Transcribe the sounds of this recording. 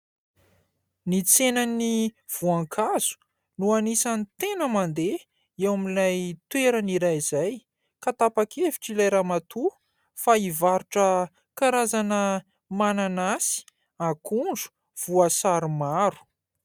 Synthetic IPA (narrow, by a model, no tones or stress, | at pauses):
nit͡senani | v̥uaŋkʰaz̥u̥ | nuanisanit̪enəmand̪e | ewamilajt̪weɾəniɾajzaj | kat̪apakʰevi̥ʈ͡ʂilajɾamat̪u | faivaɾuʈ͡ʂə | kaɾazanə | mananasi̥ | akuɳɖ͡ʐu̥ | v̥uasaɾimaɾu̥